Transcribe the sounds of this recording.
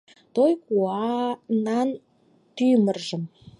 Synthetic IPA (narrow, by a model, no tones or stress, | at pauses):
t̪ojkuɑnɑn | t̪yjmə̆rʒə̆m